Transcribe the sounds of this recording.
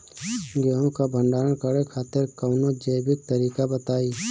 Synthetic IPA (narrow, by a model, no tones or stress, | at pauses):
ɡeːɦõkabʱə̃ɳɖaːɾəɳkəɾekʰaːt̪ɪɾkəʊnod͡ʒəjbɪk̚t̪əɾiːkabət̪aːiː